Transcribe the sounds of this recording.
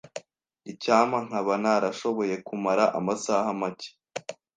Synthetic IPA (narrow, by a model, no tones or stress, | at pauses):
icaːmaŋ̥haβanaɾaʃo̞βo̞je̞kumaɾaʔa̰masahamace̥